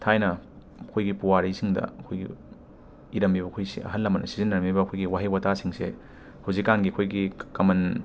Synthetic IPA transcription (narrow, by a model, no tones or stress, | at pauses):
tʰajnɐ | ɐkʰojɡipuwaɾijsiŋdɐ̰ɐkʰojɡḭ | iɾɐmbibɐkʰojsḭɐ̰ɦɐnlːɐmːɐnɐsizinːɐɾɐmbibɐɐkʰojɡiwaɦijwɐtasiŋse | hawzikːanɡiɐkʰojɡikɐmɐn